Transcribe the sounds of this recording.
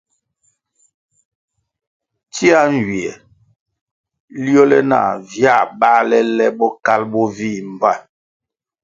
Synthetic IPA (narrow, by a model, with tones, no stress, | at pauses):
ti˦a˦n˨d͡ʒi˨ɛ˨ | li˦ɔ˦lɛ˦na̰ː˨vja˦˨ɓa˦lɛ˦lɛ˦ɓɔ˦ka˦lbɔ˦vi˦˨m˨ba˦˨